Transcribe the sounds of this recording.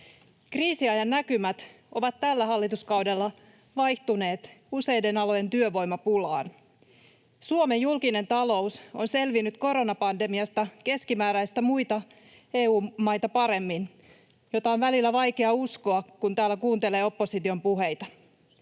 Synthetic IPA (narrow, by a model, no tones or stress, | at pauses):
kriːsiɑjɑnːækymæt̪ | ʔo̞ʋɑt̪tːælːæɦɑlːit̪uskɑwde̞lːɑ | ʋɑjht̪une̞ːt̪use̞jde̞nɑlo̞je̞nt̪yøʋo̞jmɑpulɑ̰ːn | suome̞jjulkine̞nt̪ɑlo̞uso̞nse̞lʋinːyt̪ko̞ɾo̞nɑpɑnde̞miɑst̪ɑke̞skimæːɾæjst̪æmujt̪ɑ | e̞ːuːmmːɑjt̪ɑpɑɾe̞mːin | jot̪ɑonʋælilːæʋɑjke̞ɑusko̞ɑkunt̪æːlːækuːnt̪e̞le̞ːo̞pːo̞sit̪io̞mpuɦe̞jt̪ɑ